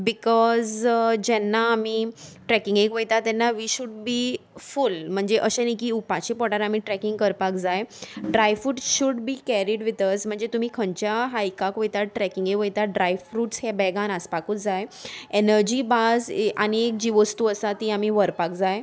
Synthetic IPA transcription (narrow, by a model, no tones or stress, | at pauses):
bikɔzd͡ʑɛnːaːmiʈɾɛkiŋɡekʋəjt̪at̪ɛnːaʋiːɕuɖbiːfulm̤əɳd͡zeʔəɕenikiːupat͡ɕipɔʈaɾam̤iʈɾɛkiŋɡkəɾpakd͡zajɖɾajfɾuːʈɕuɖbiːkɛɾiɖʋit̪əsm̤əɳd͡zet̪um̤iːkʰəɳt͡ɕjaɦaikakʋəjt̪aʈɾɛkiŋɡekʋəjt̪aɖɾajfɾuːʈshebɛɡãnaspakuːt͡sd͡zajenəɾd͡ʑiːbad͡za̰niek̚d͡ʑiʋəst̪uəsat̪iːamiʋəɾpakd͡zaj